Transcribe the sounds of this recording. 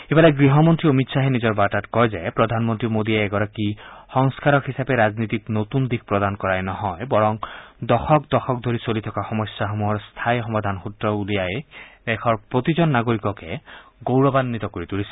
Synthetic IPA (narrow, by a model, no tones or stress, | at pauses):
ebaleɡɹiɦɔmont̪ɾiomit̪saɦenizɔɹbatatkɔjzaepɾɔd̪ʱanmɔnt̪ɾimod̪ieːɡɔɾakixɔŋskaɾɔkɦisapeɾaznit̪iknot̪und̪ik̚ʰpɹɔd̪ankɔɹajnɔɦɔjbɔɹɔŋd̪ɔxɔkd̪ɔxʰɔk̚d̪ʱoɾisolit̪ʰɔkaxɔmɔsjaxomuɦɔɹst̪ʰajxɔmad̪ʱanxut̪ɾɔulijajd̪ɛkʰɔɹpɹot̪id͡ʒɔnːaɡoɾikɔkeɡowɹɔbanːit̪ɔkoɹit̪uɹisi̥